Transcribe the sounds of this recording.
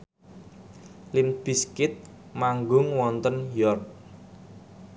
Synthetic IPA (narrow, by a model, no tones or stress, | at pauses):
lɪnb̥i̤skɪt̪̚ | maŋɡʊŋwɔnt̪ənjɔrt̚